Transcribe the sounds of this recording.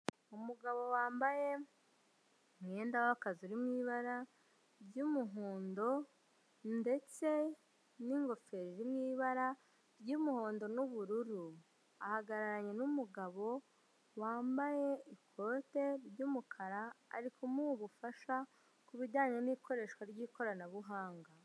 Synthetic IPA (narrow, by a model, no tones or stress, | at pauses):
umuɡaβo̞waːmbaje̞ | mŋeːndawakazuɾimŋiːβaɾa | ɾɟumuɦoːndo̞ | nde̞t͡se̞ | niŋɡo̞fe̞ɾiɾimɲiːβaɾa | ɾɟuːmuho̞ːndo̞nuβuɾuɾu | ahaɡaɾaɾaɲe̞numuɡaβo̞ | waːmbaje̞ikʰo̞te̞ɾɟuːmukʰaɾa̰ːɾikomuβufaʃa | kuβiɟaːɲemiːko̞ɾe̞ːʃkwaɾɟiːko̞ɾanaβuɦaːŋɡa